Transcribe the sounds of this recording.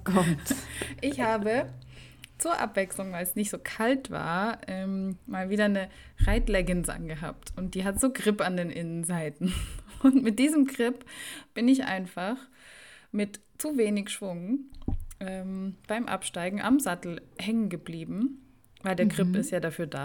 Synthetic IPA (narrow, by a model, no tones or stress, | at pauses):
kʰɔmtʔɪçhaːbə | t͡suːɐʔa̰pv̥ɛkslʊŋvaɪlsnɪçtz̥oːkʰaltv̥a̰ːɐʔɛːmmaːlviːdɐnə | ʁaɪtlɛɡənsʔa̰nɡəɦa̰ːp̚tʰʊnt̚d̥iːɦatz̥oːɡʁɪpandeːnʔɪnənzaɪtn̩ʊntmɪt̚d̥iːzəmɡʁɪpb̥ɪnɪçʔa̰ɪnfaχ | mɪt | t͡suveːnɪçʃv̥ʊŋə | ʔɛːmb̥aɪmʔa̰pʃtaɪɡŋ̩ʔa̰mzatl̩hɛŋənɡəbliːbm̩ | vaɪldeːɐɡʁɪpɪstjaːdafyːɐda̰ː